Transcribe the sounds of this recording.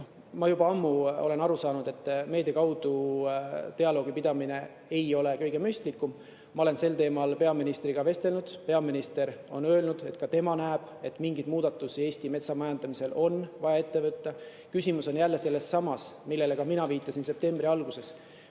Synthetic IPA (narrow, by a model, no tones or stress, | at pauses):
mɑjubɑɑmːuo̞le̞nɑɾusɑːnud̪̥e̞t̪ːˑme̞ːd̪̥ɑkɑwd̪̥u | t̪e̞ɑlo̞ːɡ̥ipid̪̥ɑmine̞ | e̞jo̞le̞kɤjɡe̞mysʲt̪likːˑum | mɑo̞le̞nse̞lt̪e̞ːmɑlpe̞ɑminist̪riɡ̥ɑve̞st̪e̞lnud̪̥pe̞ɑminist̪e̞ɾo̞̰nø̞ːlnud̪̥e̞t̪kɑt̪e̞mɑnæːb̥e̞t̪ːˑmiŋɡid̪̥muːd̪ɑt̪ːˑusie̞ːsʲt̪ime̞t̪sɑmɑjɑnd̪̥ɑmise̞lʔo̞nvɑjɑe̞t̪ːe̞vɯt̪ːɑ | kysʲimuso̞njælːe̞se̞lːe̞sːɑmɑsmilːe̞le̞ɡ̥ɑminɑviːt̪ːˑɑsinse̞p̚t̪e̞mbriɑlɡuse̞s